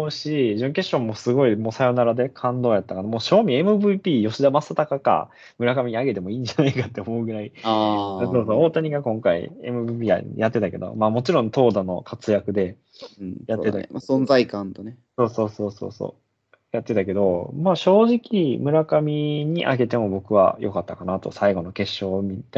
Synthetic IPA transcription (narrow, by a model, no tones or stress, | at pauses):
oɯ̟ɕiʑɨ̃ŋke̞ɕõ̞mːo̞sɨɡo̞imo̞ːsajo̞naɾad̪e̞kʰãnd̪o̞ːjat̪ːakanamo̞ːɕo̞ːmʲie̞mɯ̟bɯ̟pʲiːjo̞ɕid̪amasːat̪akaka̰ | mɯ̟ɾakamʲiɲ̟iaɡe̞t̪e̞mo̞ĩːɲ̟d͡ʑanaikat̪ːe̞omo̞ɯ̟ɡɯ̟ɾaiao̞ːsoːoːt̪aɲ̟iɡakõŋkaḭe̞̰mɯ̟bɯpʲiːa̰jat̪ːe̞t̪ake̞d̪o̞̰maːmo̞t͡ɕiɾõ̞nt̪o̞ːd̪ano̞̰kʰat͡sɨjakɯ̟d̪e̞ | jat̪ːea̰masõnzaikãnt̪oneso̞ːso̞ːso̞ːso̞̰ːso̰ː | jat̪ːe̞t̪ake̞d̪o̞maːɕo̞ːʑikʲimɯ̟ɾakamʲiɲ̟iʔa̰ɡe̞t̪e̞mo̞bo̞kɯ̟βa̰jʔo̞kat̪ːakanat̪o̞̰saiɡo̞no̞ke̞ɕːo̞ːmʲit̪ː